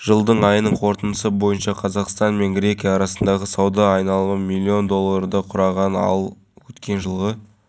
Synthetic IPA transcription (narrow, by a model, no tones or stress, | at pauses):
ʒ̥əlˠd̪əɴɑjənəɴqʰo̞ɾt̪ənd̪əsəbo̞jənʃɑqʰɑzɑqst̪ɑnme̞nɡɾʲe̞kʲijɑːɾɑsənd̪ɑʁəsɑwd̪ɑːjnɑlˠməmilʲːio̞nd̪o̞lˠːɑɾd̪ɑqʰʊɾɑʁɑnɑ̰lˠ | wɵt̪kʲe̞nʒəlˠʁə